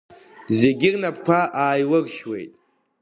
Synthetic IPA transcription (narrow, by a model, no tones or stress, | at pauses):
zeɡʲɪrnapʰkʷʰaʔaːjwərʃwḛjtʼ